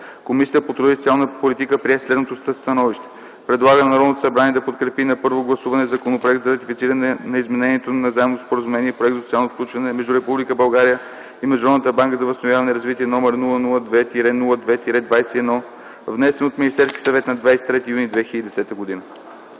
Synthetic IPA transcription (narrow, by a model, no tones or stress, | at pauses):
komisiəpot̪ɾovist̪sialˠnpolit̪ikəpɾiɛslɛd̪not̪osst̪ɐnɔviʃt̪ɛ̥ | pɾɛd̪lˠaɣənɐnɐɾɔd̪not̪o̥sɐbɾaniɛd̪ɐpot̪̚kɾɛpinɐpɤɾvoɡlˠɐsuvɐnɛzɐkonopɾoɛkt̪zɐɾɐt̪ifitsiɾənɛnɐizmɛnɛniɛt̪onɐzaɛmnot̪ospoɾəzumɛniɛipɾoɛk̚t̪zsot̪sialˠnofklʲut͡ʃvɐnɛmɛʒd̪uɾɛpublikəbɐlˠɡaɾijə | imɛʒɾɔd̪ət̪əbaŋkəzɐvəst̪novjavɐnɛɾɐzvit̪iɛnɔmɛɾnulˠənulˠəd̪vɛt̪iɾɛnulˠəd̪vɛt̪iɾɛd̪vajsɛːd̪nɔ | vnɛsɛnot̪minist̪ɛɾskʲi̥sɐvɛt̪nɐd̪vajsɛ̥t̪ːɾɛt̪iːjunid̪vɛxilʲəd̪id̪ɛsɛt̪əɡod̪inə